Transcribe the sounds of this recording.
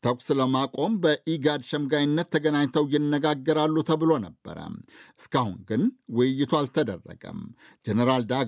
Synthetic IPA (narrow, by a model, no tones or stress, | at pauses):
t̪ʰəkʷsləmakʼo̞mbəʔiɡad̪ʃəmɡajɪnːət̪ʰːəɡənaɲt̪ʰəwjɪnːəɡaɡːəɾalːut̪ʰəβɨlo̞nəbːə̰ɾə̰mʔɨskahṵnɡɨnwɨjːɪt̪ʰualt̪ʰəd̪ə̰rːə̰ɡə̰m | d͡ʒenəɾald̪aɡ